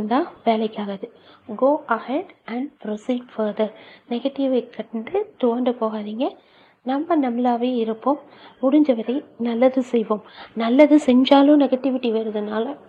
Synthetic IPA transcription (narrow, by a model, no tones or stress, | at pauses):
nd̪ãːʋeːlɐɪkːaːɣɐðɯɡoːʔɐhɛɖɐɳɖpɾɔsiːɖfɐɾðɐɾnɛɣɐʈːɪʋɐɪkʰːɐʈɳɖɯt̪ʊʋɐɳɖɯpoːɣaːðiːŋɡɐ | nɐmːɐnɐmlaːʋeːɪɾɯpːoːmː | ʊɽɪɲd͡ʒɐʋɐɾɐɪnɐlːɐðɯsɛjʋoːmnɐlːɐðɯsɛɲd͡ʒaːlɯ̃nɛɣɐʈːɪʋɪʈːiʋeːɾɐðɯnaːlɐ